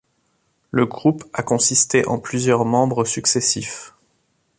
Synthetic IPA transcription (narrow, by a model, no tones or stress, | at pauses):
ləɡʁupakɔ̃sist̪eʔɑ̃plyzjœʁmɑ̃bʁəsyksesif